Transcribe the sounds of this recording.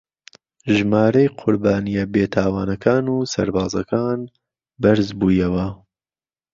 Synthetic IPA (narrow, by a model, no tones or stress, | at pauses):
ʒmaːɾɐjqʰʊɾbaːnijɐbeːt̪ʰaːwaːnɐkʰaːnuːsɐ̰ɾbaːzɐkʰaːn | bɐɾzbuːjɐwɐ